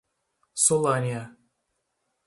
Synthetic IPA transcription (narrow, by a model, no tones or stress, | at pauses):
solˠanʲia